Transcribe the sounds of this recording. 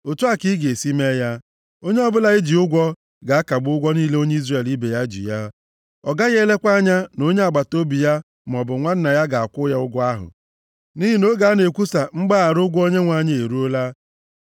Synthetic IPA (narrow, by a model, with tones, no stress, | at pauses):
o˨tu˦a˦˨ki˦ɡe˨si˦me˦ja˦ | o˦ɲe˦ɔ˦bʊ˦la˨ɪ˦d͡ʒi˨ʊ˦ɡʷɔ˦ | ɡa˨a˦ka˨ɡ͡bʊ˦ɡʷɔ˦niː˦le˦o˦ɲe˦i˦zre˨li˦be˨ja˦d͡ʒḭ˨ja˦ | ɔ˨ɡa˦ɣe˦le˦kʷa˦ɲa˦no˦ɲe˦a˨ɡ͡ba˨to˦bi˨ja˦ | m˨ɔ˨bʊ˨ŋʷa˦n̩˦na˨ja˦ɡa˨a˨kʷʊ˦ja˦ʊ˦ɡʊ˦a˦ɦʊ̰˨ | ni˦ɦi˨no˦ɡa˨˦ne˨kʷu˦sa˨ŋ͡m̩˦ɡ͡ba˦a˨ɾʊ˦ɡʷo˦ɲe˦ŋʷa˨ɲ˦e˨ɾu˦o˦la˦